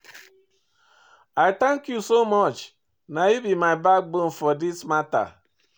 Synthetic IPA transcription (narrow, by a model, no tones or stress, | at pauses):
aɪtaŋkjusomɔt͡ʃ | naibimaɪbak̚bon̩fɔdismata̰